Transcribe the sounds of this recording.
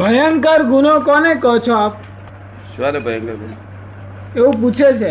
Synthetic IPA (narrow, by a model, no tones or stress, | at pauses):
bʱəjəŋkaɾɡunokɔnekɔɦt͡ʃʰɔaːp̚ | ʃuaɾebʱəjaŋkaɾɡuno | eũp̬ut͡ʃʰet͡ʃʰe